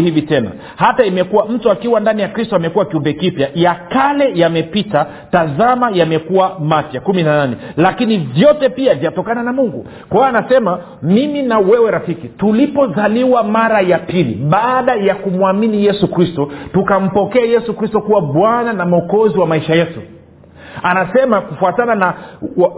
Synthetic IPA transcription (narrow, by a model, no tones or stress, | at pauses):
hivitɛna̰ | hataimɛkuwam̩tuakiwandanijakɾistɔamɛkuwakiumbɛkipjajakalɛjamɛpita | tazamajamɛkuwamapjakuminananɛlakinivjɔtɛpiavjatɔkananamuŋɡṵ | kwaanasɛma | miminawɛwɛɾafikitulipɔzaliwamaɾajapilḭɓaːɗajakumwaminijɛsukɾistɔtukam̩pɔkɛajɛsukɾistɔkuwaɓwananamɔkɔziwamaiʃajɛtu | anasɛmakufuatanana